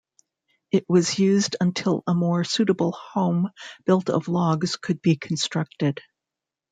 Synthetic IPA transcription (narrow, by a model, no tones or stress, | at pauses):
ɨʔ̚wʌzjʉzdə̃ntʰɪlˠəmɔɹsʉɾəbl̩ˠhõʊ̃mb̥ɪlˠtʌ̰vlɔɡz̥kʰɨd̚bikʰn̩stɹ̥ʌk̚tɪd̥